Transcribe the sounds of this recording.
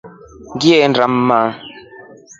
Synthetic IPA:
ŋɡjɛndɾamːaː

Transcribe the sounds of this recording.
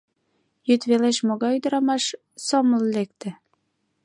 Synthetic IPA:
jyt̪βeleʃmoɣɑjyd̪ɤ̆ɾɑmɑʃ | somə̆llek̚t̪ĕ

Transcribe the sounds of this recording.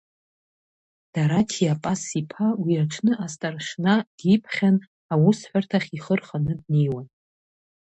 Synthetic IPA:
d̥aɾatʰiapʼasipʰawiaʈ͡ʂʰnɨʔastʼarʂnad̥ipʰχʲan | awʊsħʷartʰaχʲiχərχanɨd̚nejwan

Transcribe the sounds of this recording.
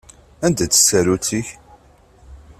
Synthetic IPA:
ænd̪æt͡sːə̥sːæɾuθiç

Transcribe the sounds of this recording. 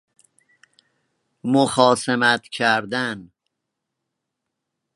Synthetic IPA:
moxɒːsemæt̪ʰcʰæɾd̪æn

